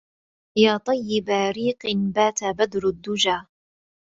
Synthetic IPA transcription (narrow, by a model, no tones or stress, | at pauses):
jaːt̪ˤɑjːɪbaɾiːqɪnbaːt̪abad̪ɾʊd̪ːʊd͡ʒaː